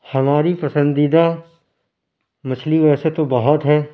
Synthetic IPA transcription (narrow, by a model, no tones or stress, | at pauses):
hɐmaːɾipɐsə̃nd̪iːd̪a | mɐsʰliʋɛːset̪obɐɦət̪ɦɛː